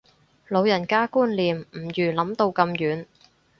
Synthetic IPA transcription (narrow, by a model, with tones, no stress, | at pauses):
lo˨˧wjɐ˨˩nkaː˥kuː˥nliː˨mm̩˨˩jyː˨˩lɐ˨˥mt̪o˧wkɐ˧mjyː˨˧n